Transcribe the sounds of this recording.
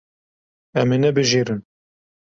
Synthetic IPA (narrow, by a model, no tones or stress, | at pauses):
ɛmenɛbɨʒiːɾɨn